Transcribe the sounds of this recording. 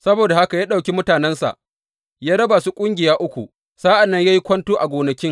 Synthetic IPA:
sɐ˦boː˨da˨ha˦ka˨jaː˦ɗa˨wkʲi˦mʊ˦taː˨nɛ˦nsa̰˨ʔ | jaː˦ɽɐ˦baː˨su˦kʷʼʊ˦ŋɡʲɪ˨jaː˦ʔʊ˦kʷṵ˨ | saː˦ʔa˨nːɐ˦ɲjaː˦ji˦kʷɐ˦ntoː˦ʔa˨ɡʷoː˨nɐ˨kʲɪ˦ŋ

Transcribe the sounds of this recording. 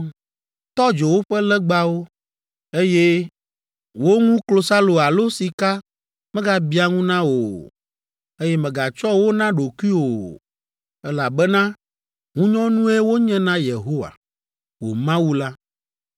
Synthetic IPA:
t̪ɔ˦d͡ʒe˨wo˦ɸɛ˦lɛ˦ɡ͡ba˦wo˦ | e˦je˦ | wo˦ŋũ˦klo˨sa˦lo˨a˨lo˦si˨ka˦ | mɛ̃˦ɡa˦bi˦a˨ŋũ˦nã˦wo̰˨ | e˦jɛ˦mɛ̃˨ɡa˨t͡ʃɔ˦wo˦nã˦ɖo˨ku˦i˦wo˨ | ɛ˦la˨bɛ˦nã˦ | ŋũ˦ɲɔ̃˦nũ˦e˦wo˦ɲɛ̃˦nã˦je˨ɦo˦wa̰˨ | wo̰˨mã˦wu˦la˦

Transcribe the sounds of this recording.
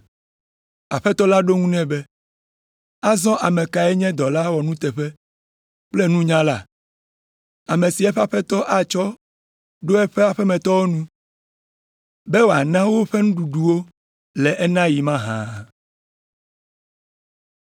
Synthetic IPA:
a˨ɸɛ˦t̪ɔ˦la˦ɖo˦ŋũ˦nɛ̃˦be˦ | a˦zɔ̃˦ʔa˨mɛ̃˨ka˨ɛ˦ɲɛ̃˦d̪ɔ˨la˦wɔ˨nũ˦t̪ɛ˨ɸɛ˦ | k͡plɛ˦nũ˦ɲã˦la̰˨ | a˨mẽ˨si˨ɛ˦ɸe˦a˨ɸɛ˦t̪ɔ˦ʔa˨t͡ʃɔ˦ | ɖo˦ɛ˦ɸe˦a˨ɸɛ˦mɛ̃˨t̪ɔ˦wo˦nũ˦ | bɛ˦wo˨a˨nã˦wo˦ɸɛ˦nũ˦ɖu˨ɖu˨wo˦ | lɛ˨ʔɛ˦nã˦ji˨mã˦ɦã̰˨

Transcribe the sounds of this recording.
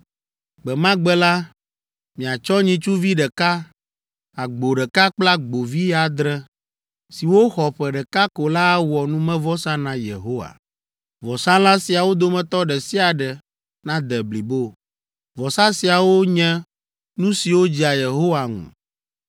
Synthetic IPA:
ɡ͡bɛ˨mã˦ɡ͡bɛ˦la˦ | mĩ˨a˨t͡ʃɔ˦ɲĩ˦t͡ʃu˦vi˦ɖɛ˨ka˦ | a˨ɡ͡bo˨ɖɛ˨ka˦k͡pla˦ɡ͡bo˨vi˦ja˨d̪ɾɛ˦ | si˨wo˦xɔ˨ɸɛ˨ɖɛ˨ka˦ko˨la˦wɔ˨nũ˦mɛ̃˦vɔ˦sã˦nã˨jḛ˨ɦo˦wa̰˨ | vɔ˨sã˦la˦si˨a˨wo˦d̪o˦mɛ̃˨t̪ɔ˦ɖɛ˨si˦a˨ɖɛ˨ | nã˦d̪ɛ˨bli˨bo˦ | vɔ˨sa˦si˨a˨wo˦ɲɛ̃˦ | nũ˦si˨wo˦d͡ʑi˦a˨je˨ɦo˦wa˨ŋṵ̃˨

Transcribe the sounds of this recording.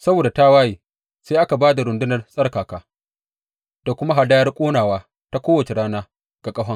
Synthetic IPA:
sɐ˦boː˨da˨ta˦waː˦jiː˨ | seː˦ʔa˦ka˨baː˦da˨ɾʊ˨ndɪ˦nɐ˨rsʼɐ˦rkaː˨kaː˦ | d̥a˨kʷʊ˦ma˦ɦa˨daː˦jɐ˦rkʷʼoː˦naː˨waː˦ | ta˦kʷoː˦wɐ˨t͡ʃe˨ɾaː˦naː˦ | ɡ̥a˨kʼɐ˦ɦɐ˦ŋ

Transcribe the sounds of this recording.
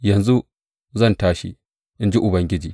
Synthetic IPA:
jɐ˨nzu˦ | zɐ˦˨ntaː˦ʃḭ˦ | ʔɪ˦nd͡ʒi˦ʔʊ˨bɐ˦ŋɡʲɪ˦d͡ʒiː˨

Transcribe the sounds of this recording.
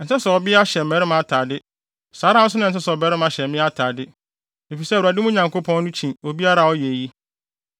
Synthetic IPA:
n̩˨sɛ̃˦sɛ˨ɔ˨bɪ˦a˦ɕɛ˨m̩˨mɛ˨˦ɾɪ˦m˨a˨tʰaː˨dɪ˦ | saː˨˦ɾã˦n̩˦s̬ʊ˦nʊ̃˦˨n̩˨s̬ɛ˦sɔ˨bɛ˨˦ɾɪ˦m˦a˨ɕɛ˨˦mɪ̃˦a˦tʰaː˨dɪ˦ | e˨fi˨sɛ˦˨u˨a˨dɪ˦mũ˦ɲã˨ŋko˦pʰɔ̃˦n˦nʊ̃˦t͡ɕʰĩ˨o˨bi˦a˦ɾa˨ɔ˦jɛ˨ji˦

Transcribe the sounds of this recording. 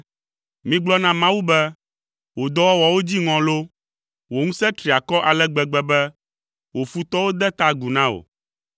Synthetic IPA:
mĩ˦ɡ͡blɔ˦nã˦mã˦wu˦bɛ˦ | wo˨d̪ɔ˦wɔ˦wɔ˨wo˦d͡ʑi˦ŋɔ̃˨lo˦ | wo˨ŋũ˦sɛ˦t̪ɾi˨a˨kɔ˦ʔa˨lɛ˦ɡ͡bɛ˨ɡ͡bɛ˦bɛ˦ | wo˨fu˦t̪ɔ˦wo˦d̪ɛ˦t̪a˦ɡu˨nã˦o̰˨

